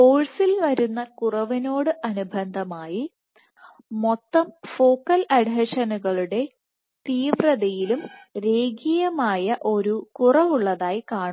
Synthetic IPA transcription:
po̞ːɻsilʋɐɾunːɐkurɐʋino̞ːɽɨʔɐnubʱɐnd̪ʱɐmaːji | mo̞t̪ːɐmfo̞ːkːɐlɐɽɦɐʂɐnuɣɐɭuɽe̞ | t̪iːʋrɐðɐjilumɾe̞ːɡijɐmaːjɐʔo̞ɾukurɐʋuɭːɐðaːjikaːɳ

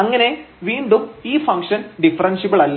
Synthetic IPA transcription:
ɐŋːɐne̞ʋiːɳɖumiːfɐŋkʂɐnɖifɐɾɐnʂipːɐɭɐlː

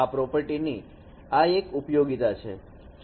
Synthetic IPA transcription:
apɾɔpəɾʈini | aekupjoɡit̪at͡ʃʰḛ

